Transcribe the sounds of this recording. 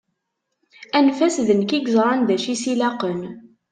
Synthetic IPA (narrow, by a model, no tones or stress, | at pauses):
ʔænfæsðənkiɡzɾˤɑnd̪æʃisilɑqən